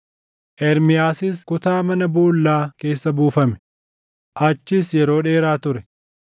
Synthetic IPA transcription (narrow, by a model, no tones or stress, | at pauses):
ʔɛɾmɪjaːsɪskʊt̪aːmɐnɐbuːlːaːke̞ːsːɐbuːfɐmɛ̥ | ʔɐt͡ʃːɪsjɛɾo̞ːᶑe̞ːɾaːt̪ʊɾɛ